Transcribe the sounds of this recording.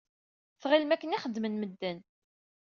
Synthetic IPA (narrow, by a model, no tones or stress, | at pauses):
θʁilmækːəniχəd̪ːmənməd̪ːæn